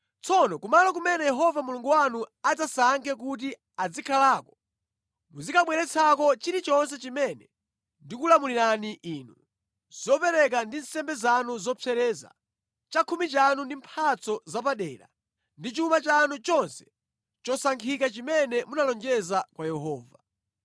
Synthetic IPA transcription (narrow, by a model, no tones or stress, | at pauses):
t͡sʰɔnɔkumalɔkumɛnɛjɛɦɔvamuluŋɡuwanuad͡zasaŋkʰɛk̬ut̬i | ad͡zikʰalaːkɔ̥ | muzikʰaɓwɛɾɛt͡sʰakɔt͡ʃiɾit͡ʃɔns̬ɛt͡ʃimɛnɛ | ndikulamuliɾaniʔiːnu | z̥ɔpɛɾɛk̬andinsɛmbɛzanuzɔpʰɛɾɛːza̰ | t͡ʃakʰumit͡ʃanundim̩pʰat͡sʰɔzap̬aɗɛːɾa̰ | ndit͡ʃumat͡ʃanut͡ʃɔnsɛ̥ | t͡ʃɔsaŋkʰikat͡ʃimɛnɛmunalɔŋd͡ʒɛzakwajɛɦɔːva